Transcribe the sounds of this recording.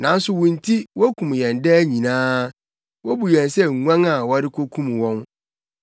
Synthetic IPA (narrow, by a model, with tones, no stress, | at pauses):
nã˨n̩˦sʊ˦wũ˨n̩˨tʰi˦wɔ˦kʰũ˨mjɛ̃˨ndɛː˦ɲĩ˨nãː˦ | wɔ˦bu˨jɛ̃˨nsɛ˦ŋ̩˨ŋʷã˦ŋa˨wɔ˦ɾɪ˦kʰo˦kʰũ˦m˨wɔ̃˦n